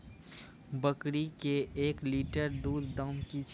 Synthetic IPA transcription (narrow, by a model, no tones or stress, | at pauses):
bəkɽikeʔeːkliːʈəɾd̪uːd̪d̪əmkit͡ʃʰ